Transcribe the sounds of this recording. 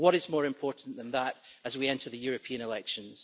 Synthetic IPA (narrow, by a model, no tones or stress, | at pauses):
wɔɾɪzmɔɹɪ̃mpʰɔɹʔn̩ðə̃nðəʔəzwiɛ̃ntʰə˞ðəjʉɹɨpʰĩə̃nɪlˠɛkʃə̃nz̥